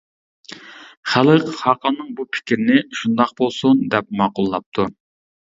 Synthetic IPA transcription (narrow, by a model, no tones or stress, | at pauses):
χælˠəqhɑqʰɑnːɨŋbupʰɪ̥kʲʰɾɪnɪʃund̪ɑq̚bolˠsund̪ɛp̚mɑːqʊlˠːɑp̚t̪ʰu